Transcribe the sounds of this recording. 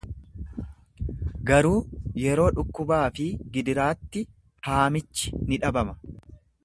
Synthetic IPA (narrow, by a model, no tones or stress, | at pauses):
ɡɐɾuːjɛɾo̞ːᶑʊkːʊbaːfɪɡɪd̪ɪɾaːt̪ːɪ | haːmɪt͡ʃːɪ̥nɪᶑɐbɐmɐ̥